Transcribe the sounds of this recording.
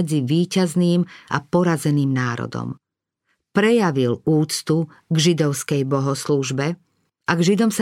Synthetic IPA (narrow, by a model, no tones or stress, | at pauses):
ɛd͡ziʋiːcazniːma̰pɔɾazɛniːmnaːɾɔ̰d̪ɔ̰m | pɾɛjaʋiluːt͡st̪u | ɡʒid̪ɔʊskɛjbɔɦɔsluʒbɛ | ʔaɡʒid̪ɔms